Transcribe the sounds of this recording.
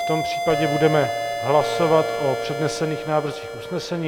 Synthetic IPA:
t̪o̞mpr̝̥i̥ːpaɟɛbudɛmɛɦlasovat̪ʔopr̝̥ɛdnɛsɛniːxnaːvr̩ziːxʔusnɛsɛɲiː

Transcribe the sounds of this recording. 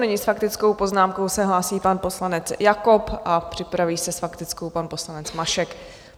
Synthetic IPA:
nɛɲɪsfakt̪ɪt͡sko̞wpo̞znaːmko̞wsɛɦlaːsiːpanpo̞slanɛt͡sjakopʔapr̥ɪpɾaviːsɛsfakt̪ɪt͡skowpanpo̞slanɛt͡smaʃɛk

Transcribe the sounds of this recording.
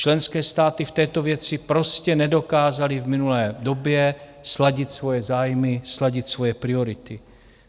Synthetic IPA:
t͡ʃlɛnskɛːst̪aːt̪ift̪ɛːt̪ovjɛt͡sɪpɾo̞scɛnɛdo̞kaːzalivminulɛːd̪objɛslaɟɪt̪svo̞jɛzaːjmɪslaɟɪt̪svo̞jɛpɾioɾɪt̪ɪ

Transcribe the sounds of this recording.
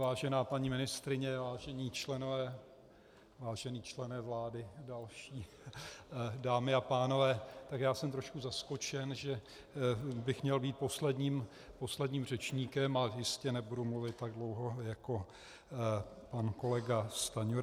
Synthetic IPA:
vaːʒɛnaːpaɲimɪnɪst̪ɾɪɲɛvaːʒɛɲiːt͡ʃlɛnovɛː | vaːʒɛniːt͡ʃlɛnɛːvlaːdɪdalʃiː | daːmɪapaːno̞vɛːt̪akjaːsɛmt̪ɾo̞ʃkuzasko̞t͡ʃɛnʒɛ | bɪxmɲɛlbiːt̪̚po̞slɛdɲiːm | po̞slɛdɲiːmr̝ɛt͡ʃɲiːkɛmajɪscɛnɛbudumluvɪt̪ːaɡ̚dlowɦo̞jako̞ | panko̞lɛɡast̪aɲo

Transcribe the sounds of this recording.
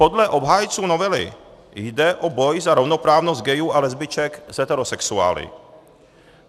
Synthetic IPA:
po̞dlɛʔo̞bɦaːjt͡suːno̞vɛlɪ̰ | jdɛʔobo̞jzaɾovno̞pɾaːvnost̪̚ɡɛjuːʔalɛzbɪt͡ʃɛkz̥ɛt̪ɛɾosɛksua̰ːlɪ̰

